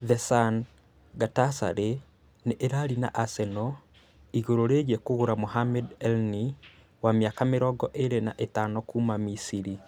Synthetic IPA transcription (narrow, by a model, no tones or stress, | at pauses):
ðɛsan | ɡatasa̰ɾe | neʔeɾaɾina̰ʔasɛnɔ | iɣoɾoɾeɣiɛkoɣoɾamoɦamɛdɛlni | wameakameɾɔɡɔʔeɾenaʔetanɔkuːmamisiɾi